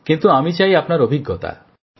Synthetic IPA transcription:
kint̪uamit͡ʃajapɔnaɾobʱiɡːɔt̪a̰

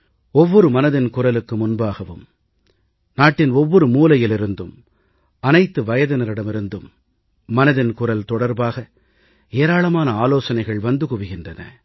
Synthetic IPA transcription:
ɔʋːɔɾɯmɐnɐðɪnkʊrɐlɯkːɯmʊnbaːɣɐʋɯ̰m | naːʈːɪnɔʋːɔɾɯmuːlɐjɪlɪɾɯnd̪ɯm | ɐnɐɪt̪ːɯʋɐjɐðɐnɪɾɪɽɐmɪɾɯnd̪ɯmː | ɐnɐðɪnkʊrɐlt̪ɔɽɐɾbaːɣɐ | eːɾaːɭɐmaːnɐaːloːsɐnɐɪɣɐɭʋɐnd̪ɯkʊʋɪɣɪndrɐnɐ̰

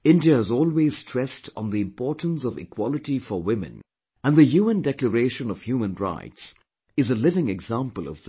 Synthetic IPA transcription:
ɪ̃ndiəɪzɔːlˠweɪz̥stʰɹ̥ɛstn̩ðiɨ̃mpɔːɹtn̩sʌvɪ̰kʰw̥ɑlˠɨʈifəwɪ̃mɨ̰̃n | ə̃nðɨhjumə̃ndɛkləɹeɪʃə̃nʌv̥hjuːmə̃nɹa̰ɪts | ɨzəlɪvɪ̃ŋɨɡzæ̃mpəlˠʌ̰vð

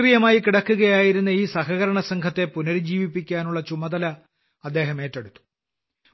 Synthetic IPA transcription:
rijɐmaːjikiɽɐkːuɣɐjaːjiɾunːɐiːsɐhɐɣɐɾɐɳɐsɐŋɡʰʱɐt̪ːe̞punɐɾid͡ʑiːʋipːikʲːaːnuɭːɐt͡ɕumɐd̪ɐlɐ | ɐd̪ːe̞ːɦɐme̞ːtːɐɽut̪ːu̥

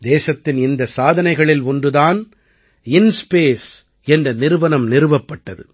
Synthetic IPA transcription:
d̪eːsɐt̪ːɪnɪnd̪ɐsaːðɐnɐɪɣɐɭɪlɔndɯðaːn | ɪnspeːs | ɛndrɐnɪɾɯʋɐnɐmnɪɾɯʋɐpːɐʈːɐðɯ̰

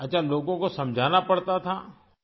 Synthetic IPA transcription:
ɐtːʃʰaloːɡõkosɐ̃md͡ʒʱaːnapɐɽt̪at̪ʰaː

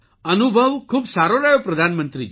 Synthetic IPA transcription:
ənubʱɔwkʰubsaɾɔɾajɔpɾɔd̪ʱanmənt̪ɾid͡ʒ

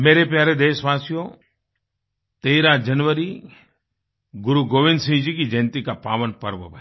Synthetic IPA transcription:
meːɾepjaːɾed̪eːʃʋaːsijo | t̪eːɾãd͡ʒɐnʋəɾi | ɡʊɾuɡoːʋɪ̃nd̪sɪ̃ŋd͡ʒikid͡ʒɐnt̪ikapaːʋənpɐɾʋə̰bʱɐ

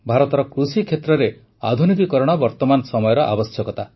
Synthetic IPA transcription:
bʱaɾɔt̪ɔɾɔkɾusikʰet̪ɾɔɾe | a̰d̪ʱunikikɔɾɔɽ̃ɔbɔɾt̪ɔmanɔsɔmɔjɔɾɔʔa̰bɔsjɔkɔt̪a

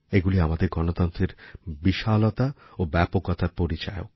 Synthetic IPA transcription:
eɡuliamad̪eɾɡɔnot̪ɔnt̪ɾeɾbiʃalot̪aobɛpoɡɔt̪ʰapoɾit͡ɕajo̰

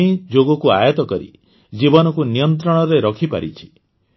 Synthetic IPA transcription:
id͡ʒoɡɔkua̰jɔt̪ɔkɔɾḭ | d͡ʒibɔnɔkunijɔnt̪ɾɔɽ̃ɔɾeɾɔkʰipa̰ɾit͡ʃʰi̥

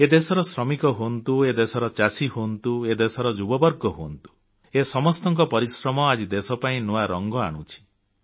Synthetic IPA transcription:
ed̪esɔɾɔsɾɔmikɔɦont̪ued̪esɔɾɔt͡ʃasiɦont̪ued̪esɔɾɔd͡ʒubɔbɔɾɡɔɦont̪u̥ | esɔmɔst̪ɔŋkɔpɔɾisɾɔmɔad͡ʒid̪esɔpaĩnuaɾɔŋɡɔaɽ̃ut͡ʃʰi̥

